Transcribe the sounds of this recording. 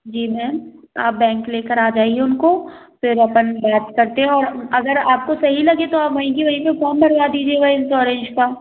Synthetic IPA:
d͡ʒiːmɛ̃ːna̰ːp̚bɛ̃ːŋkleːkəɾaːd͡ʒaːɪɡeʊnko | fɪɾɐpənbaːt̪kɐɾt̪eɦɛ̃ɔːɾɐɡəɾaːp̚kosɐɦilɐɡet̪oaːpʋɐɦĩk̬iʋɐɦĩpẽkɔːmbɐɾbad̪iːd͡ʒieʋɐɪnsɔːɾẽnd͡ʒkaː

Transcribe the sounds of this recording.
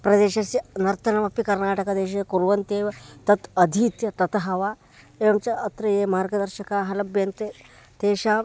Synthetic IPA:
pɾɐd̪eːʃɐsinɐɾt̪ʰɐnɐmɐpikɐɾnaːʈɐkɐd̪eːʃ̬ɐkuɾʋɐnt̪eːʋɐt̪ɐt̪ɐd̪ʱiːt̪jɐt̪ɐt̪ɦɐʋaː | eːʋɐmt͡ʃɐʔɐt̪ɾɐjeːmaːɾɡɐd̪ɐɾʃɐkaːɦɐlɐbjɐnt̪e | t̪eːʃaː

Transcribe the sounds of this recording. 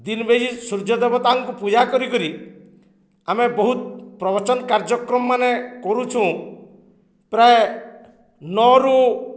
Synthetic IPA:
d̪inbed͡ʒisuɾd͡ʒɔd̪ebɔt̪aŋkupud͡ʒakɔɾikɔɾi | amebɔɦut̪pɾɔbɔt͡ʃɔnkaɾd͡ʒɔkɾɔmɔːanekɔɾut͡ʃʰũ | pɾae | nɔɾu

